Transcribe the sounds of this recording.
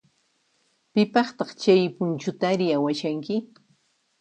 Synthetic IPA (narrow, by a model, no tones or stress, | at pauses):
pɪpɑχt̪ɑχt͡ʃajpʊnt͡ʃʊt̪aɾɪjawaʃaŋkɪ